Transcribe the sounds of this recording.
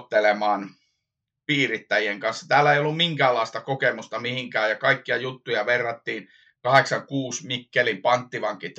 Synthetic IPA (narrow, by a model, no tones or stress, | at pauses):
t̪ːelemɑːn | piːrit̪ːæjieŋkɑnsːɑ̥t̪æːlːæeijolːummiŋkæːlːɑˑist̪ɑkokemust̪ɑmihiŋkæːjɑkɑikːiɑjut̪ːujɑʋerːɑt̪ːiːn | kɑheksɑŋkuːsmikːelimpɑnt̪ːiʋɑŋkːit̪